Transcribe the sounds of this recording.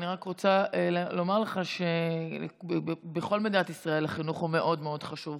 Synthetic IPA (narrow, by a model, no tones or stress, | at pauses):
niʁakʁot͡saello̞maʁleχaʃe̞ | beχo̞lmed̪inat̪isʁae̞laχinuχume̞ʔo̞dmeo̞d̥χaʃuv